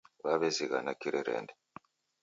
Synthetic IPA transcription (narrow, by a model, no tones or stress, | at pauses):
βaβeziɣanakiɾeɾḛːnde